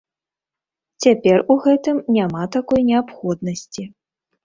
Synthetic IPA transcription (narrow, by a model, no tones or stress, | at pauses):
t͡sʲapʲɛruɣɛt̪ɨmnʲamat̪akɔjnʲɛapxɔd̪̚nɐsʲt͡sʲi